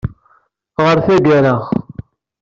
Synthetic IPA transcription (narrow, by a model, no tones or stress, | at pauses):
ʁəɾθæɡæɾəχ